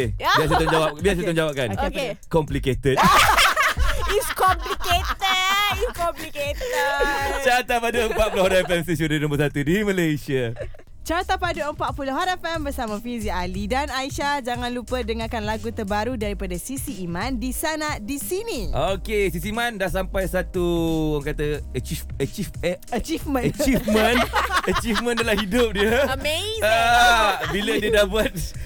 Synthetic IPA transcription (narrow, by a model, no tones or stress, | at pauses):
biaʔset̪ɔd͡ʒawap̚biaʔset̪ɔŋd͡ʒawap̚kankekɔmpliket̪ət̚ | iskɔmpliket̪əiskɔmpliket̪ət͡ʃat̪apaduəmpaʔ̚pulohɾɛfɛmsis̬udənõmbəsat̪udiməlajsia | t͡ʃat̪apaduəmpaʔpulɔɦaɾɛfɛmbərsamãfizialidanaiʃad͡ʒaŋãnlupədəŋakanlaɡut̪ərbaɾudaɾipadasisiːmãndisanadisiniʔokesisiimãndaʔsampajsat̪uaŋkat̪əət͡ʃifət͡ʃifət͡ʃifmə̃nət͡ʃimə̃nət͡ʃifmə̃ndalahidʊp̚diəəmeza | bilədiədabuat̪̚